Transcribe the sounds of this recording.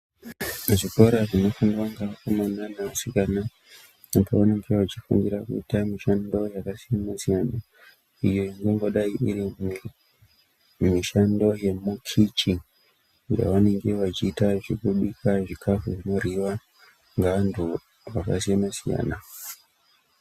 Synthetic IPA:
ʐiko̞ɾaʐino̞fundwaŋɡakomananaasikana | upoʋane̞ŋɡe̞ʋat͡ʃifṵndiɾakṵitamiʃando̞jakasijamasijana | ijo̞iŋɡoŋɡo̞ɗaiʔiɾi | miʃando̞je̞mukʰit͡ʃi | ja̰ʋane̞ŋɡe̞ʋat͡ʃiːtaʐikuɗikʰaʐikʰafuʐino̞riʋa | ŋɡaantʰu | ʋakasijamasija̰ːna

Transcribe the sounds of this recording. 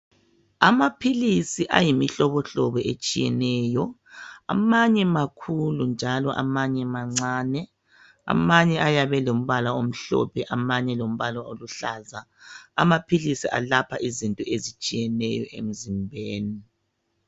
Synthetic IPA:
amapʰilisiʔa̰jimiɬɔβɔɬɔβɔet͡ʃʼijɛnɛːjɔa̰maɲɛmakʰulund͡ʒʱalɔʔa̰maɲɛmaŋ͡ǀaːnɛ | a̰maɲɛajaβɛlom̩βalaom̩ɬɔ̰pʰɛʔamaɲɛlom̩βalaoluɬaːza | a̰mapʰilisiʔa̰lapʰaʔizintʼɔezit͡ʃʼijɛnɛjɔ̰ʔḛm̩zimbʱeːni

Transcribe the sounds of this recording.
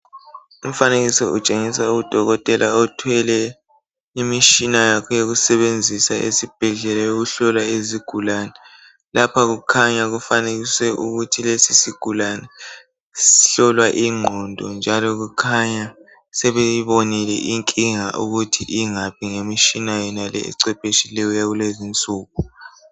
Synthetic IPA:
um̩faneɣisɛʔut͡ʃʼeŋisauud̥ʱɔɣɔtʼɛlʔaɔtʰwɛlɛ | imit͡ʃinajakʰɔjoɣusɛβend͡zʱisaʔḛsib̥ʱɛɮɛlajoɣuɬɔlwaeziɡ̥ʱulanɛ | lapʰaɣukʰaɲaɣufaneɣisɛʔuɣutʰilesisiɡ̥ʱulanɛ | siɬɔlwaʔiŋ͡ǃʱɔndʱɔnd͡ʒʱalɔɣukʰaɲa | sɛβɛjiβonilɛ̰ʔiŋkʼiŋa̰ʔuɣutʰiʔiŋapʰiŋemiʃinajɛnalɛ̰ɛ̰ǀɛpʼeʃilɛjɔjaɣulezint͡sʼuːku

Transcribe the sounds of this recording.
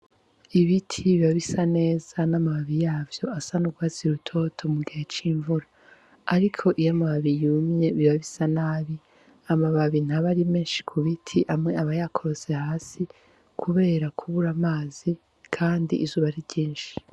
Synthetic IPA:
iβitʰiβiβaβisane̞ːz̥anamaβaβijaːvjo̞asanuɡwaːziɾutʰo̞tʰo̞muɡihe̞t͡ʃiːɱvuɾaː | ɾikʰo̞ʔijamaβaβijumɲe̞βiβaβisanaːβi | amaβaβin̥aβaɾimeːnʃi̥kʰuβitʰiʔamŋe̞aβajakʰo̞ɾo̞se̞haːsi | kʰuβe̞ːɾakʰuβuɾamaːzi | kʰaːndḭʔːzuːβaɾiβɟiːnʃi̥

